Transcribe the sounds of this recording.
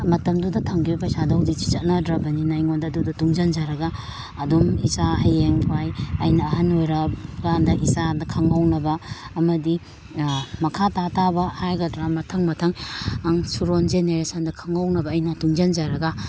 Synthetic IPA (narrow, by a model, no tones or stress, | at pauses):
mɐtɐmdudɐtʰɐŋɡibɐpɐjsadɐhuzik̚t͡ʃi̥t͡ʃɐt̚nɐdɾɐbɐninajŋondɐdudɐtuŋd͡ʒɐnd͡ʒaɾɐɡɐː | dumisahɐjeŋpʰajɐjnɐːɦɐnojɾɐpɡandɐʔisadɐkʰɐŋawnɐbɐːmɐdi | mɐkʰatatabɐhajɡɐdɾamɐtʰɐŋmɐtʰɐŋaŋsuɾond͡ʒeneɾesandɐkʰɐŋawnɐbɐːjnɐtuŋd͡ʒand͡ʒaɾɐɡɐ